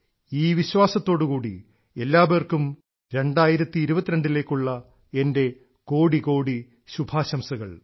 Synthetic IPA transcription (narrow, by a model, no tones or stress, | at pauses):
iːʋiɕwaːsɐt̪ːo̞ːɽukuːɽḭ | e̞lːaːbeːrkum | ɾe̞ɳɖaːjiɾɐt̪ːiːɾubɐt̪ːiɾɐɳɖile̞ːkːuɭːɐ | e̞nde̞ | ko̞ːɽiko̞ːɽi | ɕubʱaːɕɐmsɐɣɐ̰ɭ